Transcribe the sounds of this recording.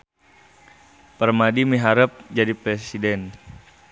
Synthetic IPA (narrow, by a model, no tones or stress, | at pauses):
pərmadimiɦaɾəp̚d͡ʒadipɾesidɛn